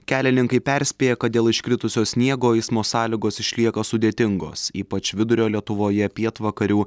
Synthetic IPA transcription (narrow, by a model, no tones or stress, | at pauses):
kʲæːlʲɪnʲɪŋkɐɪpʲɛɾʲsʲpʲeːjɛkɐt̪d̪ʲeːlˠɪʃʲkʲɾʲɪt̪ʊsʲoːsʲnʲiɛɡoːɛɪsmoːsɑːlʲɪɡoːsɪʃʲlʲiɛkɐsʊd̪ʲeːt̪ʲɪŋɡo̰ːsiːpɐt͡ʃʋʲɪd̪ʊɾʲoːlʲiɛt̪ʊʋoːjɛpʲiɛt̪ʋɐkɐɾʲuː